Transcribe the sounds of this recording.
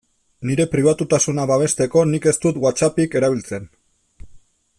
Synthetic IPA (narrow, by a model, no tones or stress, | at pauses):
niɾe̞pɾiβ̞at̪ut̪asunaβaβ̞e̞st̪e̞ko̞nike̞st̪ut̪wat͡sapike̞ɾaβilt͡se̞n